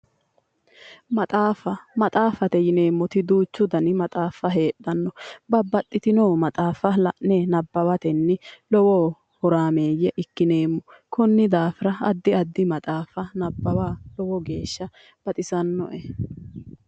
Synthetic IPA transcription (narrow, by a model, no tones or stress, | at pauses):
mɐt̪ʼaːfɐmɐt̪ʼaːfɐt̪ɛjɪneːmːɔt̪ɪd̪uːt͡ʃːʊd̪ɐnɪmɐt̪ʼaːfːɐɦe̞ːɗːɐnːɔbɐbɐt̪ʼːɪt̪ɪnoːmɐt̪ʼaːfɐlɐʔnɛnɐbːɐwɐt̪ɛnːɪlɔwɔ | hɔɾaːme̞ːjɛʔɪkːɪne̞ːmːɔ | kʰɔnːɪd̪aːfɪɾɐɐd̪ːɪɐd̪ːɪmɐt̪ʼaːfɐnɐbːɐwaːlɔwɔɡe̞ːʃːɐ | b̥ɐt̪ʼɪsɐnːɔ̰ʔɛ